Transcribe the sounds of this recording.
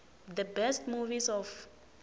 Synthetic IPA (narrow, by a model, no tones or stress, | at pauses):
d̪əbɛstmuvisɔf